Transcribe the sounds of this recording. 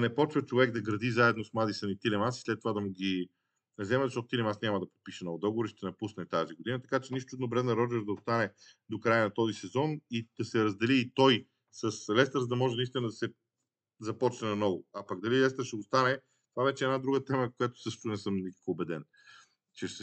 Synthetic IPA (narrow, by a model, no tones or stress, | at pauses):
nɛpɔt͡ʃvət͡ʃovɛɡ̚d̪ɐɡɾɐd̪izaɛd̪nosmlˠad̪isənit̪ilɛmasi̥slɛt̪ːovad̪ɐmuɡʲi | zɛmɛzɐʃtɔt̪ʊt̪ilɛmasnʲamɐd̪ɐpot̪̚piʃɛnɔvʊd̪ɔɡovoɾiʃt̪ɛnɐpusnɛt̪aziɡod̪inət̪ɐ̥kat͡ʃɛniʃt̪ʊɛd̪nobɾɛd̪nɐɾɔd͡ʒɛɾd̪ɐost̪anɛd̪okɾajənɐt̪ɔzisɛzɔnid̪̥ɐsɛɾɐzd̪ɛliːt̪ɔj | səslɛst̪əɾzəd̪ɐmɔʒɛnist̪inəd̪ɐsɛ | zɐpɔt͡ʃnɛnɐnɔvʊɐpɐɡd̪ɐlilɛst̪əɾʃɛost̪anɛ | t̪ovavɛʃɛːd̪nad̪ɾuɡət̪ɛməkojat̪ʊ̥sɤʃt̪ʊnɛsɤmnikə̥koːbɛd̪ɛn | t͡ʃɛʃɛ